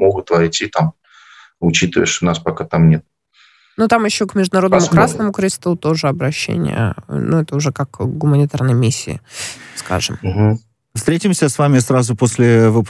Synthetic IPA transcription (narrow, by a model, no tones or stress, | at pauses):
moɡʊt̪vɐjtʲit̪am | ʊt͡ɕit̪ɨvə̰jɪʂnaspɐkat̪amnʲet̪̚ | nut̪amjɪɕːokmʲɪʐd̪ʊnɐɾo̞d̪nəmʊkɾasnəmʊkɾʲɪst̪ut̪o̞ʐɨɐbɾɐɕːḛnʲɪ̰jə̰nʔuɛt̪əʊʐɛkakɡʊmənʲɪt̪arnəjəmʲisʲːɪ̰ɪ̰ska̰ʐɨ̰m̩ɦ̩ | fst̪ɾʲetʲɪmsʲəsvamʲɪsɾazʊposʲlʲɪvɨp